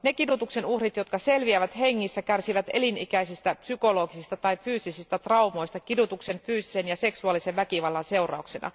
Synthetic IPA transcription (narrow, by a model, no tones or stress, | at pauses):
nekidut̪ukse̞nuhrit̪jo̞t̪kɑse̞lʋiæʋæt̪he̞ŋːisːækærsiʋæt̪ḛlinḭkæisist̪æpsyko̞lo̞ːɡisist̪ɑt̪ɑifyːst̪isist̪æt̪rɑumo̞jst̪ɑkidut̪ukse̞nfyːsise̞njɑse̞ksuɑlːiseʋʋækiʋɑlːɑnse̞urɑ̰uksenʔɑ̰